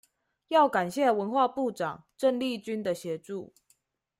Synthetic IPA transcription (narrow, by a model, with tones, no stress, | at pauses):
jɑ˥˩ʊka˨˩nɕjɛ˥˨wə˧˥nxwa˥˧pu˥˩ʈ͡ʂɑ˨˩ŋʈ͡ʂə˥˧ŋli˥˨t͡ɕy˥nd̪ə˨ɕjɛ˨˧˥ʈ͡ʂu˥˩